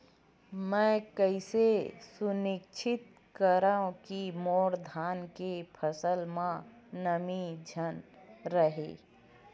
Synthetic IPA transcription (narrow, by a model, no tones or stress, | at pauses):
mɛ̃ːkəɪsesʊnɪkt͡ʃʰɪt̪̚ | kəɾaõkimoːɾd̪ʱaːnkepʰəsəlmã | nəmid͡ʒʱənɾəɦḛː